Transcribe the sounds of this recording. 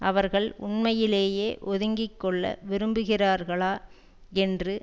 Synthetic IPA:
ʔɐʋɐɾɣɐɭʊ̰ɳmɐjɪleːjeːʔɔðɯŋɡɪkːɔɭːɐ̰ʋɪɾɯmbɯɣɪraːɾɣɐɭaː | ɛndrɯ

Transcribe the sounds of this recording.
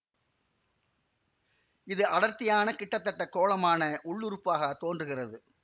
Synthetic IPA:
ɪðɯʔɐɽɐɾt̪ːɪjaːnɐkɪʈːɐt̪ːɐʈːɐkːoːlɐmaːnɐʔʊɭːʊɾɯpːaːɣɐt̪oːndrɯɣɪrɐðɯ

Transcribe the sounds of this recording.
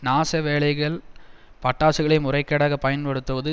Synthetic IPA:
naːsɐʋeːɭɐɪɣɐɭ | pɐʈːaːsɯɣɐɭɐɪmʊrɐɪkːɐɽaːɣɐpɐjɐnpɐɽɯt̪ːɯʋɐðɯ

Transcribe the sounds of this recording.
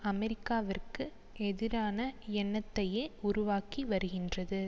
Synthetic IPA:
ɐmɛɾɪkːaːʋɪrkɯ | ʔɛðɪɾaːnɐɛnːɐt̪ːɐjeːʊɾʊʋaːkiʋɐɾɯɣɪndrɐðɯ

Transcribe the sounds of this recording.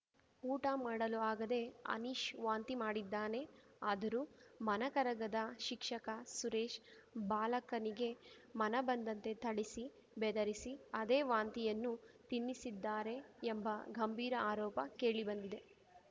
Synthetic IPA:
uːʈɐmaːɽɐluaːɡɐd̪e̞ɐ̰niʃʋaːnt̪imaːɽid̪ːaːne̞aːd̪ɐɾuːmɐnɐkɐɾɐɡɐd̪ɐʃikʂɐkɐsuɾeːʃbaːlɐkɐniɡe̞mɐnɐbɐnd̪ɐnt̪e̞t̪ʰɐɽisi | bɛd̪ɐɾisiɐd̪e̞ːʋaːnt̪ijɐnːut̪inːisid̪ːaːɾe̞ːmbɐɡɐmbʱiːɾɐaːɾɔːpɐke̞ːɭibɐnd̪id̪e̞

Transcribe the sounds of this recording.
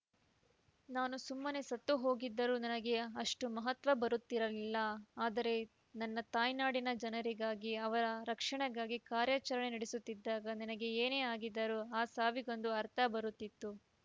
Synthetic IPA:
naːnusumːɐne̞sɐt̪ːuɦo̞ːɡid̪ːɐɾunɐnɐɡe̞ɐʂʈumɐɦɐt̪ʋɐbɐɾut̪ːiɾɐlilːɐaːd̪ɐɾe̞ | nɐnːɐt̪aːjnaːɽinɐd͡ʒɐnɐɾiɡaːɡiɐʋɐɾɐɾɐkʂɐɳɐɡaːɡikaːɾjaːt͡ʃɐɾɐɳenɐɽesut̪ːid̪ːaːɡɐninɐɡe̞eːneːaːɡid̪ːɐɾuaːsaːʋiɡo̞nd̪uɐɾt̪ʰɐbɐɾut̪ːit̪ːu

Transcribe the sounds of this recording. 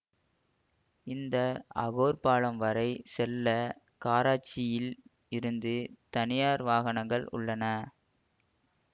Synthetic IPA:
ɪnd̪ɐɐ̰ɣoːɾpaːɭɐmʋɐɾɐɪsɛlːɐ | kaːɾaːt͡ʃːɪjɪl | ɪɾɯnd̪ɯt̪ɐnɪjaːɾʋaːɣɐɳɐŋɡɐɭʊ̰ɭːɐnɐ

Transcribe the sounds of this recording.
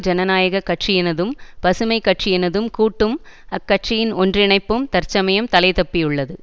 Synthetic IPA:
d͡ʒɐnɐnaːjɐɣɐkːɐʈʂijɛnɐðɯmpɐsɯmɐɪkːɐʈt͡ʃijɛnɐðɯmkuːʈːɯmɐkːɐʈt͡ʃɪjɪnɔndrɪɳɐɪpːɯmt̪ɐɾt͡ʃɐmɐjɐmt̪ɐlɐɪt̪ɐpːɪjɯɭːɐðɯ

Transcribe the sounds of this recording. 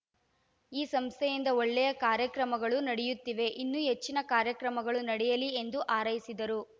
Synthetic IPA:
iːsɐmst̪ʰɛjind̪ɐɔɭːɛjɐkaːɾjɐkɾɐmɐɡɐɭunɐɽɛjut̪ːiʋe̞ʔinːuɦe̞t͡ʃːinɐkaːɾjɐkɾɐmɐɡɐɭunɐɽɛjɐlie̞nd̪uʔaːɾɐjisid̪ɐɾu

